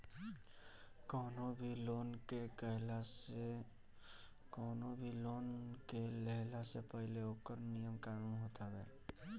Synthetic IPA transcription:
kɔːnobʱiloːnkekəɦla | kɔːnobʱiloːnkelɛɦlasepəɦɪleoːkəɾnijəmkaɾuɦoːt̪ʰabɛ̰ː

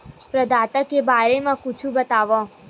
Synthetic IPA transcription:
pɾəd̪ʱaːt̪əkːebaːɾemãkʊt͡ʃʰũbət̪aːʋɔ̃

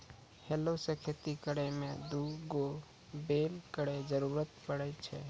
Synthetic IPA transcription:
helosəkʰet̪ikəɽɛmẽd̪uɡo | belkəɽed͡ʒəɾuɾət̪pəɽɛt͡ʃʰɛ

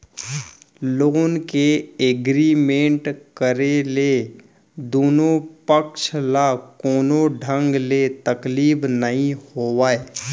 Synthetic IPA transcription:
loːnkeeɡɾimẽːɳʈkəɾele | d̪oːnõpəkʃlakoːnõɖʱə̃ŋɡlet̪əkliːbnəɦĩhoːwaːe

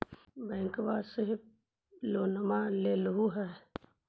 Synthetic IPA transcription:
bɛ̃ːŋkʋaseɦɪb | loːnəmaleːlɦuɦɛː

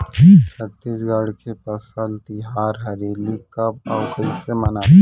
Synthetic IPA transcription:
sət̪ed͡ʒɡaɽkepɐsəlt̪ɪɦaːɾɦɐɾeːlikabaʊkəisemɐnaː

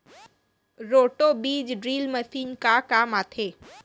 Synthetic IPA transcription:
ɾoːʈobiːd͡ʒɖɾiːlməsiːnkakaːmaːt̪ʰeː

